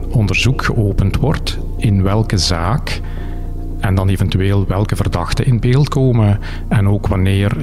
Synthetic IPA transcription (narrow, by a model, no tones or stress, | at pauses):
ɔndərzukxə̰ʔoːpəntwɔrt | ɪnʋɛlˠkəzaːk | ɛndɑneːvɛntyeːlˠʋɛlˠkəvərdɑxtəʔɪn̚beːlˠtkoːmə | ɛnoːkʋɑneːr